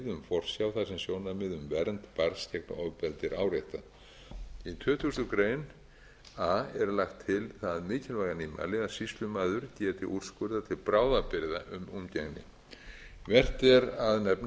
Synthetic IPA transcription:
ðʏmfɔr̥sjawθasɛmsjoːwnamɪðʏmvɛɾnt̪paɾscɛk̚naɔɣpɛlt̪ɪɾʔaːwɾejht̪a | it̪ʰœːt̪ʰust̪ʏkɾeːjn | aːɛɾlaxt̪ʰːɪlθaðmɪːcʰɛlvajɣaniːma̰lɪasist̪lʏmaːðʏɾcɛːt̪ɪʔur̥skʏɾðat̪ʰɪlpɾaːwðapɪɾða̰ʔʏmumcɛɣnɪ̰ | vɛr̥t̪ɛɾaðnɛpn

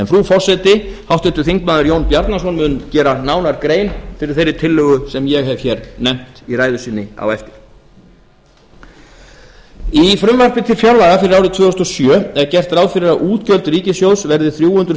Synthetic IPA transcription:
ɛnθfɾufɔr̥sɛt̪ɪhawht̪ʏnt̪ʏ̥θiŋkmaːðʏɾjoːwnpjaɾt̪nasɔnmʏncɛːɾanaːwnaɾkɾeːjnfɪɾɪɾ̥θejɾːɪt̪ʰɪlːʏɣʏsɛmjɛɣɦɛvçɛɾnɛm̥t̪iraːjðʏsiːnːɪa̰wɛft̪ɪɾ̥ | ifɾʏmvar̥pɪt̪ʰɪfjawlajɣafɪɾɪɾawɾɪt̪ʰvœːʏst̪ɔsjœːɛɾcɛr̥t̪raːwðfɪɾɪɾaʔuːt̪cœlt̪ɾiːcɪsjowsvɛɾðɪθɾjuːhʏnt̪ɾ

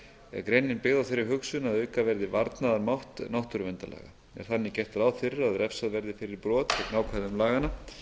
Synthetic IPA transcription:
ɛ̰ðkɾejnːɪnpɪɣðawθejɾːɪɾɦʏksʏnaðœːɥkavɛɾðɪvaɾt̪naðaɾmawht̪nawht̪ʏɾʏvɛnt̪alɛ̰ːɣa̰ | ɛ̰ɾ̥θanːɪcɛr̥t̪alaːwθɪɾɪaðɾɛfsaðvɛɾðɪfɪɾɪɾpɾɔːt̪fɪɾnaːwkʰvaðʏmlaːɣana

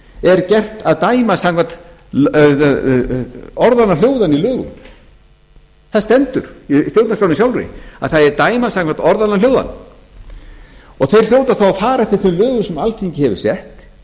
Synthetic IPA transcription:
ɛɾcɛr̥t̪aðt̪aːjmasaŋkvant̪ | ɔɾðanːal̥joːwðanilœːɣʏ̰m | θaðst̪ɛnt̪ʏɾ̥ist̪jowt̪naspawnsjawlrɪ̰a̰ðθaðɛɾt̪aːjmasãŋkvant̪ɔɾðanːaljoːwða̰n | ɔɣθejr̥l̥joːwt̪aθawafaːɾaɛft̪ɪ̥ɾ̥θʏmlœːɣʏsɛmalt̪ʰiɲcɪhɛvʏ̥sɛht̪

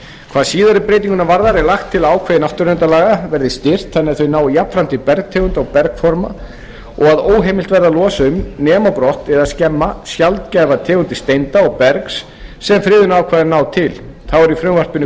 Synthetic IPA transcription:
kʰv̥aːðsiːðaɾɪpɾejt̪iŋkʏnavaɾðaɾɛɾlaxt̪ʰːɪlaːwkʰvɛðɪnawht̪ʏɾɛnt̪alaːɣavɛɾðɪst̪ɪr̥t̪θɛnːɪɾθœɥnaːwjapfɾant̪ɪpɛɾk̚t̪ʰɛːɣʏnt̪ɔɣpɛɾkfɔɾma | ɔɣaðoːwɦejmɪlt̪vɛɾðalɔːsʏmnɛːmapɾɔht̪ɛðaðscɛmːasjalt̪cɛːjvat̪ʰɛːɣʏnt̪ɪst̪ejnt̪aɔɣpɛɾksː | ɛmfɾɪːðʏnaːwkʰvaːðɪnaːwt̪ʰɪlθawɛɾifɾʏmvar̥pʏnʏ

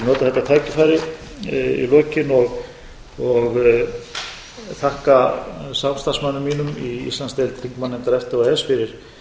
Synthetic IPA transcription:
nɔːt̪aθɛt̪at̪ʰaːjcɪfaːjɾɪ | ḭlœːcɪnɔɣ | ɔɣ | θʰahkasamst̪asmanːʏmːiːnʏmiḭst̪lanst̪ɛlt̪ɾiŋkmanɛnt̪aɾɛft̪aɣaɛsfɪɾɪɾ̥

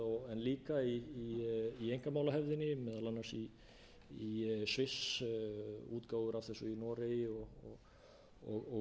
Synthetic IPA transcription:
ɔɛnliːkaiːejŋkamawlahɛvðɪnɪmɛːðalanːasi | isvɪs | uːt̪kaːwɣʏɾʔavθɛsɔinɔːɾɪjɔɣɔɣ | ɔɣɔ

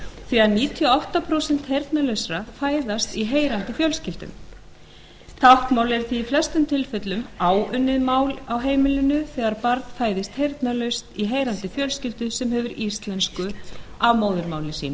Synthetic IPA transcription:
θiɣaɾniːt̪ʰiɔɔht̪apʰɾowsɛn̥t̪hejɾt̪nalœɥsɾafaːjðast̪iɦeːjɾan̥t̪ɪfjœlscɪlt̪ʏ̰m | t̪ʰahkmawlɛɾ̥θiːflɛst̪ʏmt̪ʰɪlfʏt̪lʏmaːwʏnːɪðmaːwlawɦeːjmɪlʏnʏθɛːɣaɾpaɾt̪faːjðɪst̪hejɾt̪nalœɥst̪iɦeːjɾant̪ɪfjœlscɪlt̪ʏsɛmɦɛvʏɾist̪lɛnskʏavmoːwðʏɾmaːwlɪsḭːn

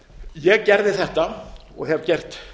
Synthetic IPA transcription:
jɛɣcɛɾðɪθɛht̪a | ɔ̰ɣhɛvcɛr̥t̪

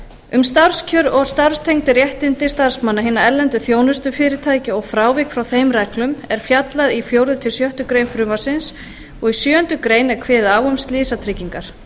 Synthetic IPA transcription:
ʏmst̪ar̥scʰœɾɔɣst̪ar̥st̪ʰejŋt̪ɪrjɛht̪ɪnt̪ɪst̪ar̥smanːaɦɪːnːaɛlɛnt̪ʏθjoːwnʏst̪ʏfɪːɾɪt̪ʰaːjcɪɔɣfɾaːwvɪkfɾawθejmrɛklʏmɛɾ̥fjat̪laðifjowɾðʏt̪ʰɪlsjœht̪ʏkɾejnfɾʏːmasɪns | ɔɣisjœːœnt̪ʏkɾejnɛɾ̥kʰvɛːðaːwʏmst̪lɪːsat̪ʰɾɪciŋkaɾ̥

